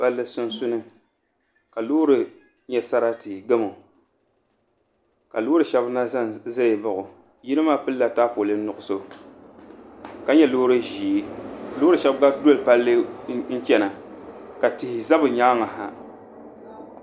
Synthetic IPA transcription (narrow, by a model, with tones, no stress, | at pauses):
ba˦lːɨ˦sʊ˦nsʊ˦nɨ˦ | ka˨loː˦ɾɨ˨ | ɲɛ˦sa˦ɾa˦tɨ˨ɡɨ˦mo˨ | ka˨loː˦ɾɨ˨ʃɛ˦bna˦za˦jba˨ʔʊ˨ | ji˦nɨ˦maː˦pɨ˦lːa˨taː˦po˨lɨ˦n˦nʊ˨ʔʊ˨so˦ | ka˨ɲɛ˦loː˦ɾɨ˦ʒiː˨˦ka˨loː˦ɾɨ˨ʃɛ˦bɡa˦do˦lpa˦lːɨ˦n̩˦t͡ʃɛ˦na˨ka˨tɪ˨hɪ˨za˦bɨ˨ɲa˦ŋa˨ɦa˨